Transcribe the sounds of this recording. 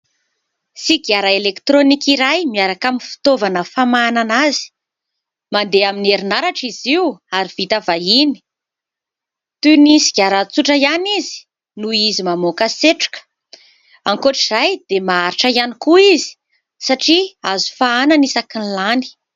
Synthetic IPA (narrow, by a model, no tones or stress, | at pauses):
siɡaɾaelekt̪ɾonikiɾajmiaɾakaminfi̥t̪ovanəfamananazi̥ | mand̪eamineɾinaɾaʈ͡ʂiziwaɾiv̥it̪avaini̥ | t̪unisi̥ɡʲaɾat͡suʈ͡ʂəjanizi̥ | nuizimamokaseʈ͡ʂu̥kə̥ | aŋkoʈ͡ʂizajd̪̥emaaɾiʈ͡ʂəjanikuizi̥ | saʈ͡ʂiazu̥faananisakinlani̥